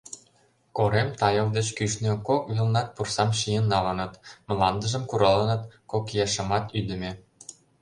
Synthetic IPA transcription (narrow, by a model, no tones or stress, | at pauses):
koɾemt̪ɑjɤ̆ld̪et͡ɕkyʃnø̆kokβilnɑt̪̚pursɑmʃijənːɑlɤ̆nɤ̆t̪mlɑnd̪ə̆ʒə̆mkuɾɑlɤ̆nɤ̆t̪kokjɑʃɤ̆mɑt̪yd̪ə̆mʲĕ